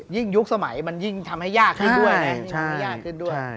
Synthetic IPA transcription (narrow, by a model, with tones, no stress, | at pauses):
ji˥˩ŋju˦˥k̚sa˧ma˩˦jma˧nji˥˩ŋt̪ʰa˧mha˥˩jːaː˥˩kʰːɯ˥˧˩du˥˩əjna˦˥˦ŋʰ˧˥m˦˥˩jaː˥˩kkʰːɯ˥˩ndu˥˩əj